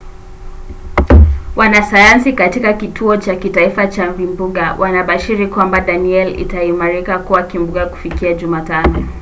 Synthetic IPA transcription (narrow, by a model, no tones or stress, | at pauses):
wanasajansikatikakitʰuɔt͡ʃakitaifat͡ʃamvimbuɠawʔanaɓaʃiɾikwambaɗaniɛlḭtaimaɾikakuwakimbuɡaku̥fikiaʄumatanɔ